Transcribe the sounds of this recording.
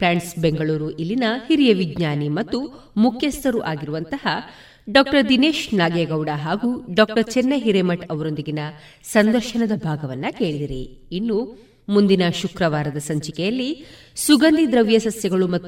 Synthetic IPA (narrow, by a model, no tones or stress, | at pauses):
pɾaːɳʈsbeŋɡɐɭuːɾuʔilːinɐhiɾijɐʋiɡɲaːnimɐt̪ːu | mukʰjɐst̪ɐɾuʔaːɡiɾuʋɐnt̪ɐhɐ | ɖaːk̚ʈɐɾd̪ineːʃnaːɡeɡɐwɖɐɦaːɡuɖaːk̚ʈɐɾt͡ʃɛnːɐɦiɾemɐʈɐʋɐɾo̞nd̪iɡinɐ | sɐnd̪ɐɾʃɐnɐd̪ɐbʱaːɡɐʋɐnːɐke̞ːɭid̪iɾiinːu | mund̪inɐʃukɾɐʋaːɾɐd̪ɐsɐɲt͡ʃikɛjɐlːi | suɡɐnd̪id̪ɾɐʋjɐsɐsjɐɡɐɭumɐː